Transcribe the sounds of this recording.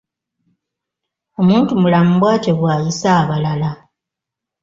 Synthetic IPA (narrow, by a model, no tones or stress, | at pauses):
o̞muːntumulamuβwaːteβwaːjisaːβalala